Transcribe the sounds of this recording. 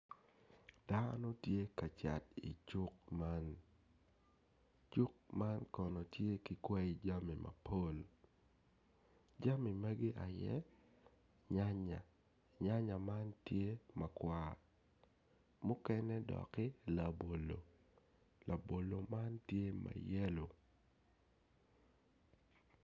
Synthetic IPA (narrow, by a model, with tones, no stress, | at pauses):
d̥a˦no˦tje˦ka˨t͡ʃa̰˨tḭ˨t͡ʃu˦k̚ma˦n | t͡ʃu˦k̚ma˦nkɔ˨nɔ˨tje˦kɪ˨kwɛ˦i˦d͡ʒa˦mi˨ma̰˨pʰo˦l | d͡ʒa˦mi˨ma˦ɡɪ˦ʔa˨jɛ̰˦ | ɲa˦ɲa˨ | ɲa˦ɲa˨ma˦ntje˦ma˨kwa˨ | mʊ˦kɛ˦nɛ˦dɔ̰˨kɪ˦la˨bo˨lo˨ | la˨bo˨lo˨ma˦ntje˦ma̰˨jɛ˦lo˨